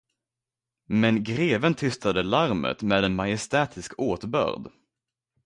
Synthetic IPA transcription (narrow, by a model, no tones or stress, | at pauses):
mɛnɡɾeːvənt̪ʰʏst̪ad̪əlaɾmə̰t̪meːd̪ɛnmajɛst̪ɛːt̪ʰɪskʰoːt̪bœ̰ːɾd̪